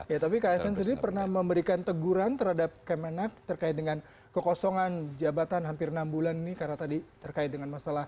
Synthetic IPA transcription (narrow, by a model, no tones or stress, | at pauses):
jat̪apikajasɛns̬ədipərnahməmbəɾikant̪əɡuɾant̪ərhadap̚kəmenak̚t̪ərkaɪt̪̚dəŋan | kəkɔsɔŋand͡ʒabat̪anɦampɪrnambulaninikarnat̪adit̪ərkaɪt̪̚dəŋanmasalah